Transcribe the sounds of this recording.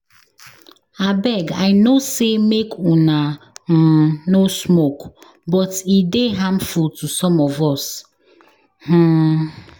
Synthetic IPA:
abɛɡajnosemekʰuna | nosmok | bɔtideɦãmfultusɔ̃mɔvɔs | h̩

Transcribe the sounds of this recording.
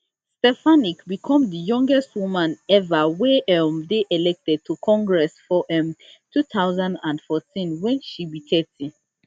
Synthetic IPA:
stɛfanikbikʰɔ̃mdəjɔ̃ŋɡɛstwumãnɛvawɛɛmdeʔɛlɛk̚tɛd̚tʰukʰɔ̃ŋɡɹɛsfɔʔɛ̃mtʰutawzãndãndfɔtʰĩnwɛ̃nʃibitʰɛtʰi

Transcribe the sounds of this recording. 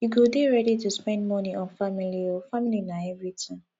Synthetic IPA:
juɡodeɹɛɾituspɛ̃ndmɔniɔ̃nfamiliofamilinaɛvɹitʰãm

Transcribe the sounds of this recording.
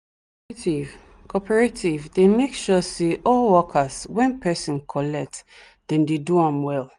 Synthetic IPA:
tiv | kʰɔpʰɛɹetʰivdemekʃuseʔɔlwɔkʰaswɛ̃npʰɛsɔ̃nkʰɔlɛk̚t | d̥ɛ̃ndeduãmwɛl

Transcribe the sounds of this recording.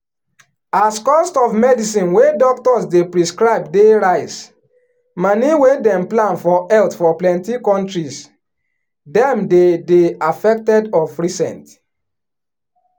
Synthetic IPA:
askɔstɔvmɛdisĩnwedɔk̚tɔsdepɹiskɹaɪbdeɾaɪs | maniwedɛ̃mplãnfɔɛltfɔplɛ̃ntikɔ̃ntɹis | dɛ̃mdedeafɛk̚tɛdɔfɹisɛ̰̃nt

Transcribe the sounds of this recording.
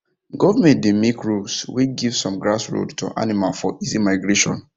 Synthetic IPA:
ɡɔvamɛ̃ntdemikɹulswiɡivsɔ̃mɡɹasɹo̰dto̰ʔa̰nimalfɔʔizimaɪɡɹeʃɔ̰̃n

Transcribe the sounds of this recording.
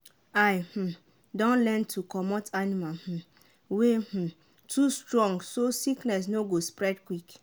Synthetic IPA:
ajh̩ | dɔ̃nlɛ̃ntʰukɔmɔtanimalh̩ | weh̩ | tʰustɹɔ̃ŋɡsosiknɛs̬noɡospɹɛdkwik

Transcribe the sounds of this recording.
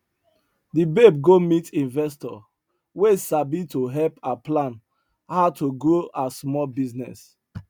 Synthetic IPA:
dibeb̚ɡomitĩnvɛs̬tɔ̰ | wesabitoɦɛlpaplãn | haʊtʰoɡoasmɔlbiznɛ̰s

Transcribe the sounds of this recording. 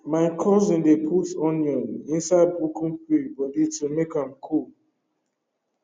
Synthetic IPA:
maɪkʰɔzĩndepʰutɔ̃njɔ̃nĩnsaɪd̚bukʰũŋpibɔditumekãmkʰul

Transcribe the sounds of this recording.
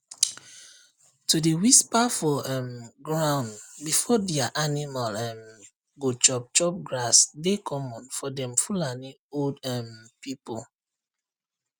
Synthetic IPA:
tudewispafɔɛmɡɹãʊ̃nbifɔdiaʔanimalɛm | ɡot͡ʃɔp̚t͡ʃɔp̚ɡɹasdekʰɔmɔ̃nfɔdɛ̃mfulani | oldɛmpipol

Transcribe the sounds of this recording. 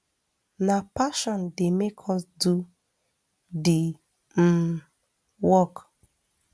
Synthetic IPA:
napaʃɔndɪmekʰɔsdu | dɪ | m̩ | wɔk

